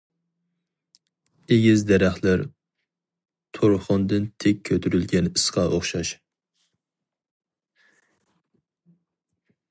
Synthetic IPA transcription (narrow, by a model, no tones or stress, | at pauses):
eɡʲizd̪ɛɾæχlˠɪɾ | t̪ʰoɾχʊnd̪ɨnt̪ʰek̚ʲʰːøt̪ʰyɾylɡʲɛnɨsqɑʔoχʃɑʃ